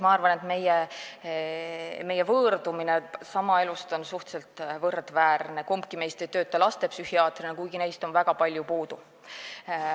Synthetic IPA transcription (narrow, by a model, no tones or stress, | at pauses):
mɑɑrvɑne̞t̪me̞je | me̞jːe̞vɤːrd̪̥uminesɑmɑe̞lust̪o̞nsuht̪selt̪ˑvɤrd̪̥væːrne̞kompkime̞jst̪ejt̪ø̞ːt̪ˑːɑlɑst̪e̞psyhiɑːt̪rinekujɡ̥ine̞jst̪o̞nvæɡ̥ɑpɑlʲjupuːd̪̥u